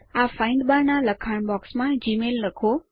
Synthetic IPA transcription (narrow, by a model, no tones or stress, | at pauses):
afaɪ̃ɳɖbaɾnaləkʰaɳ̃bɔksmãd͡ʒimelːəkʰo